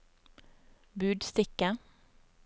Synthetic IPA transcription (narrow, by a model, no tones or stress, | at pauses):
bʉːɖst̪ɪkə